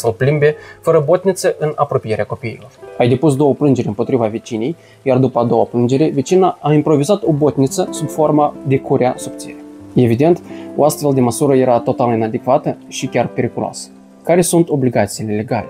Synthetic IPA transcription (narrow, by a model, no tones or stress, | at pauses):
səlplimbe̞fəɾəbo̞t̪nʲit̪səʔɨnapɾo̞pije̞ɾeako̞pijːlo̞rajd̪e̞pus̬d̪o̞wəplɨnd͡ʒe̞ɾʲɨmpo̞t̪ɾivave̞t͡ʃinej | jard̪upəad̪o̞wəplɨnd͡ʒe̞ɾe̞ve̞t͡ʃinaʔːimpɾo̞vizat̪o̞bo̞t̪nit̪səsubfo̞rmad̪e̞kuɾʲeasubt̪sieɾeje̞vid̪e̞nt̪o̞ast̪fe̞ld̪e̞məsuɾəje̞ɾat̪o̞t̪alinad̪ekvat̪əʃikʲarpe̞ɾikulo̰a̰sə̥ | kaɾe̞sunt̪o̞bliɡat̪sijːle̞le̞ɡale̞